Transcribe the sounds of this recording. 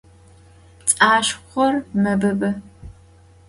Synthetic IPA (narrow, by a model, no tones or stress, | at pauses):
t͡sʼaːʃχʷɔrmɐbɐbɐ